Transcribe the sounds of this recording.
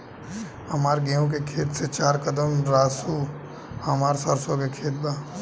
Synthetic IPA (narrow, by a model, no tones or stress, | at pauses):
həmaːɾɡeõk̬ekʰeːt̪set͡ʃaːɾkəd̪əmɾaːsu | ɦɐmaːɾsəɾsõkekʰeːt̪̚baː